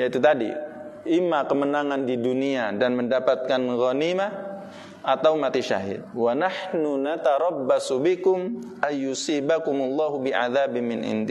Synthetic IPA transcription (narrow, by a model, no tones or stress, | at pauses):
jait̪ut̪adḭ | ʔɪmːakəmənaŋandiduniadanməndapat̪̚kanɣɔnimah | ʔat̪awmat̪iʃa̰ɦɪ̰d̪̚wanaħhnunat̪aɾɑbːasubɪkʊmʔanjusiːbakʊmʊlˠːɑːɦubiʔa̰ðaːbɪnmːɪnʔɪ̰ndi